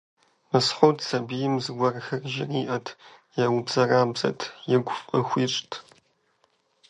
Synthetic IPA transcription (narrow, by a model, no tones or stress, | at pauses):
mɨsħʷowtʰsɐbijɪmzɨɡʷɔrxɐrʒɪriːʔɐtʰ | jɛwʊbzɐraːbzɐ̰tʰjɪɡʷʊfʼəxʷiːʂʼtʰ